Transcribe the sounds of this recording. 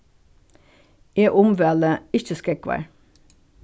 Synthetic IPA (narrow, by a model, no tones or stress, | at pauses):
eːʔʊmʋɛləɪçəskɛkʋæ̰ɹ